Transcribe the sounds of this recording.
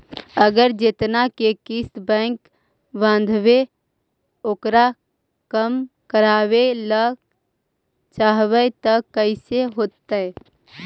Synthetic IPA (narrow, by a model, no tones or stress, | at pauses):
əɡəɾd͡ʒɪt̪nakekɪsbɛ̃ːŋk | bãːn̆d̪ʱʋe | oːkɾa | kəm | kəɾaːwelə | t͡ʃaːɦʋət̪əəɪseɦoːt̪ːə